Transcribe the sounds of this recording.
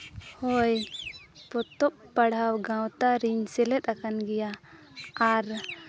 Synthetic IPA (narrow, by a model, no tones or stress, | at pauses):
hoj | pɔt̪ɔp̚pɐɽ̤awɡãwt̪aɾiɲsɛlɛt̪akʰanɡɛjaː | ɾ